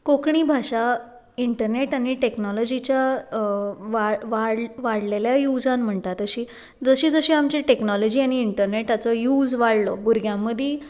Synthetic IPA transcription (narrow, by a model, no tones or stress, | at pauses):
kokɳibʱaʂa | iɳʈəɾneʈaɽ̃iʈeknɔlɔd͡ʑit͡ɕja | ʋaʋaɽʋaɽleljajud͡zanm̤əɳt̪at̪əɕiː | d͡zəɕiːd͡zəɕiːamt͡ɕiʈeknɔlɔd͡ʑiːañiːɳʈəɾneʈat͡sɔjud͡zʋaɽlɔbuɾɡʱjãmːəd̪ʱiː